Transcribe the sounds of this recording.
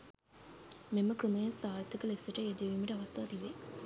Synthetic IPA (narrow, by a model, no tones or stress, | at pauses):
meməkrumɐjɐsaːɾt̪ːikəlesɐʈəed̪eʋimiʈəɐʋɐst̪ʰaːt̪iʋe